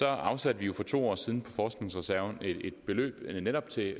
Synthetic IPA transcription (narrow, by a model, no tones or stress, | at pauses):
sɒ̽ɑ̈ʊsæd̥əʋijo̝fɒ̽t͡sʰo̝̰ːɒ̰ːsið̞ˠn̩pʰɒ̽fɒːsɡ̥ne̝ŋsʁɛsæɐʊnee̝d̥b̥e̝lø̰ːb̥neɾ̥ɒ̽b̥t͡sʰe̝